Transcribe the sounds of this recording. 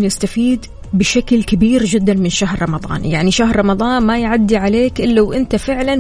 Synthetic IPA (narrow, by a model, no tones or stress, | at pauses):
jɪst̪afiːd̪ | bɪʃaklkabiːɾd͡ʒɪd̪ːanmɪnʃaɦɾˤɾˤɑmɑðˤɑ̰ːnjaʕniʃaɦɾˤɾˤɑmɑðˤɑːnmajʕad̪ːiʕaleːkʔɪlːawʔɪnt̪afɪʕlan